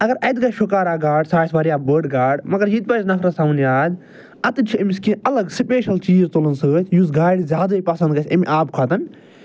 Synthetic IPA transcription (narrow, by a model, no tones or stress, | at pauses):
ɐɡɐɾɐd̪ɡɐʃukaːɾaːɡaːɖsaːsʋɐːɾijaːbəːɖɡaːɖmɐɡɐɾjit̪̚pɐznɐkʰɾɐsamnjaːd̪ʲ | ɐt̪ɨt͡ʃʰiɐmiskĩːʔɐlɐɡsipʲeːʃɐlt͡ʃiːzt̪olənsəːt̪ʰʲjuzɡaːɽizʲjaːd̪aːipɐsɐnd̪ɡɐt͡ʃʰɐmiʔaːbkʰaːt̪ɐn